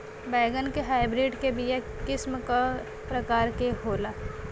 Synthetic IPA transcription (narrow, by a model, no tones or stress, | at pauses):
bɛːɡənkeɦaːɪbɾɪɖkebijɛ | kɪsmka | pɾɐkaːɾkeɦoːlaː